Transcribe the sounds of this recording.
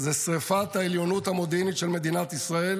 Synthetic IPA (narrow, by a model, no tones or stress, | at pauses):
zesʁefat̪aeljo̞nut̪amod̪enit̪ʃelme̞d̪inat̪isʁael